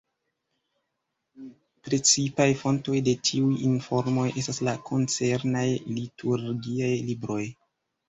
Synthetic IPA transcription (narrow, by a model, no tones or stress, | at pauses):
pɾe̞t͡sipajfo̞nto̞jde̞tʰiujinfo̞ɾmo̞jʔe̞staslakʰo̞nt͡se̞ɾnajlitʰuɾɡiajlibɾo̞j